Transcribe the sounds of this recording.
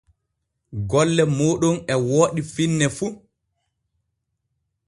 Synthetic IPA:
ɡɔlːɛmoːɗunɛwoːɗifinːɛfu

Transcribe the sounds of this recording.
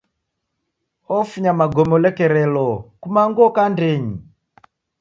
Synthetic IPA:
ɔfuɲamaɡɔmɔlɛkɛɾɛlɔkumaŋɡɔkandɛɲi

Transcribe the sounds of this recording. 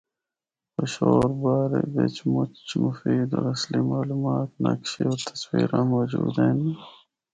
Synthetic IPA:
pəɕoːɾbaːɾebet͡ʃmut͡ɕmufiːd̪oɾɐslimaːluːmaːt̪nɐ̰kɕiot̪ʰə̥swiːɾãːmoːd͡ʑuːd̪eni

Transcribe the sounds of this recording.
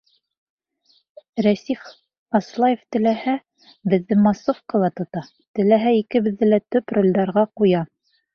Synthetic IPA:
ɾæsif | ɑslˠɑjeft̪ɘ̆læhæ | bɘ̆ðːɘmɑsofkɑ̆lˠɑt̪ŏt̪ɑ | t̪ɘ̆læɦæikɘ̆βɘ̆ðːɘlæt̪ɵprŏlʲd̪ɑɾʁɑqujɑ

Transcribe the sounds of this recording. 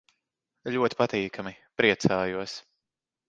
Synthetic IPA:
ʎʲuɔt̪i̥pat̪iːkʰamipɾiɛt̪saːjuɔs

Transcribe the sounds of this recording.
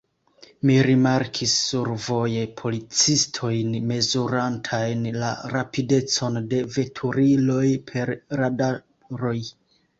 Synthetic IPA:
miɾimaɾkʰisːuɾvo̞je̞pʰo̞lit͡sistʰo̞jnme̞zuɾantʰajnla̰ɾapide̞t͡so̞nde̞ve̞tʰuɾilo̞jpʰe̞ɾɾada | ɾo̞j

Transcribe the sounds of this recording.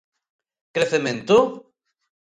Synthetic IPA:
kɾeθemẽnt̪o

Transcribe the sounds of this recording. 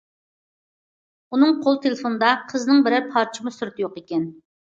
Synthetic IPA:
unɨŋqʰolˠt̪ʰelɪfonɨd̪ɑqʰəznɨŋbɪɾɪɾpʰɑɾt͡ʃʰimɨsuɾɨt̪ʰɨjoqekʲɛn

